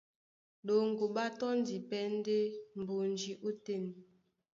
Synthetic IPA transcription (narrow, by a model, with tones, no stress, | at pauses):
ɗo˨ŋ̩˨ɡu˨ɓa˦tɔ˦n˦di˨pɛ˦n˦de˦m̩˨bo˨n˨d͡ʒi˨ʔu˦te˦˨n